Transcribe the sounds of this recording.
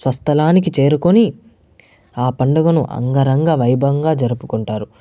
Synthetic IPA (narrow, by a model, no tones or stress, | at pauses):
sʋɐst̪ʰɐlaːnik̬it͡ʃe̞ːɾukoni | aːpɐɳɖɐɡɐnṵʔɐ̰ŋɡɐɾɐŋɡaːʋɐjbʱɐŋɡaːd͡ʒɐɾupukuɳʈaːɾu